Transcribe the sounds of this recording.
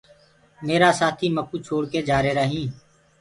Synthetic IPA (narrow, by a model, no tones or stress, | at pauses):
meːɾaːsaːt̪ʰiːməkuːt͡ʃʰoːɽkeːd͡ʒaːɾeːɾəɦĩː